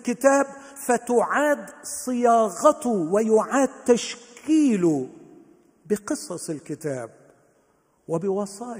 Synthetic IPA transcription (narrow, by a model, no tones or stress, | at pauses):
kɪt̪aːb | fat̪ʊʕaːd̪sˤɨjɑːɣɑt̪ʊwɪjʊʕaːd̪̚t̪aʃkʰiːlʊ | bɪqɨsˤɑsˤɪlkɪt̪aːb̚ | wɪbɪwɑsˤɑː